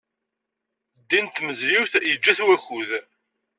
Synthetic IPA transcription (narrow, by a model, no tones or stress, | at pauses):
d̪ːint̪ːməzɾiwθjəd͡ʒːæθwæçuð